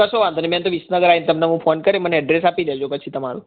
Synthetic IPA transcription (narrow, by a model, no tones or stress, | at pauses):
kəsoʋãnd̪onemɛ̃nt̪oʋisnəɡəɾaint̪əmneɦũpʰonkəɾeməneəɖɾes̬apilɛd͡ʒopət͡ʃʰit̪əmaɾu